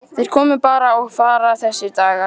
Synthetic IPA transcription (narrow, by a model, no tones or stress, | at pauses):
θeɾ̥kʰɔːmʏpaːɾaɔɣfaːɾaθɛsːɪɾt̪aːɣa